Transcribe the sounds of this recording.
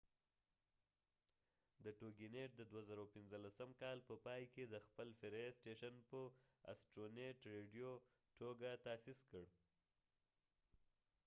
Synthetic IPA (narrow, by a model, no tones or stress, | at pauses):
d̪əʈoɡineʈ̚d̪əd̪wazaɾawpɪnzəlasəmkɑlpəpɑjked̪əxpəlfɪɾesʈeʃanpəa̰sʈɾoneʈɾeɖijo | ʈoɡat̪ɑːsiskəɽ